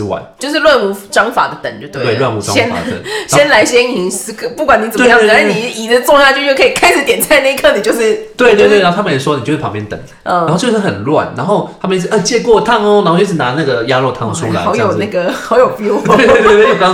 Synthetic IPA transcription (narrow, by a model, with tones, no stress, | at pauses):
wa̰˨˩nt͡ɕjo˥˧ʊʂ̬ɻ̩˥˧lwa˥˧nu˧˩ʈ͡ʂɑ˥ŋfa̰˨˩d̪ə˩t̪ə˨˩˦ŋt͡ɕ̪o˧˩t̪we˧we˥˩ɪwa˥˧nu˧˥˩a̰˦ɛ˥na̰˨ḛ˥˨˩ɕjɛ˥nla˧˥ɪɕjɛ˥n˨i˨s̩˧˥kʰə˨˩pu˥˩kwa˨˩ni˨˥t͡sə˨˩˥m˦ja˦˥ʂni˨˩i˨˩d̪ə˦t͡sɔ˥˧ŋɕa˥˧t͡ɕjo˥˧jo˥˩ʊkʰə˧˥i˨˩kʰa˥ɪʂɻ̩˨˩t̪jɛ˨˩nt͡sʰa˥˧ɪna˥˧i˧kʰɤ˥˩ni˨˩t͡ɕjo˥˧ʊʂɻ̩˥˩t̪we˥˧ɪt̪we˥˧t̪we˥˧˩a˧˥˩t̪ʰmə̃˨ɛ˨˩˥ʂwɔ˦ni˨t͡ɕo˥˧ʂʰɑ˨˧ŋpjɛ˧˥nt̪ə̰˨˩ŋ | ə˥˧˩xo˥˧ʊt͡ɕo˥˧ʂɻ̩˥˩xə˨˩nlwa̰˥˨nna˧˦nxo˥˧ʊt̪ʰa˥mə˨n̩˥˩˥ʔə˥˧˩t͡ɕjɛ˥˧kwɔ˥˧˨t̪ʰa˥˧ŋɔ˧˦na˧˥xo˥˧t͡ɕo˥˧˩ʂ̬ɻ̩˥˩na˧˦na˥˩ɡə˩ja˦lwɔ˥˧t̪ʰɑ˥˩ŋʰ˧˩u˦˥la̰˨˦ɑ˧˦ʊjo˨˩na˥˩ɡə˩xɑ˧˥˦ʊjo˨˩ʊpi˧˥e˧˥˩t̪e˥˧e˥˧˩mẽ˦˥jo˨˩kɑ˦